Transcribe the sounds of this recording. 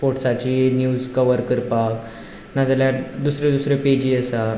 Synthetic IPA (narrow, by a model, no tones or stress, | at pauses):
poʈsat͡ɕiːnjuːd͡zkəʋəɾkəɾpak | nad͡zaljaɾd̪usɾed̪usɾeped͡ʑiːəsa